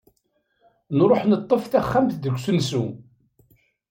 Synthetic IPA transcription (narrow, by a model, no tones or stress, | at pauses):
nɾˤoħnət̪ˤːəfθæχːamθd̪əɡʷːsənsu